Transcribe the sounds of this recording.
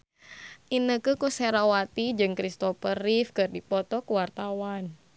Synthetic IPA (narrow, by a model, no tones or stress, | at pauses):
ʔinəkɨkusɛɾawat̪id͡ʒɨŋkɾist̪ɔfəɾifkɨrdipɔt̪ɔkuwart̪awan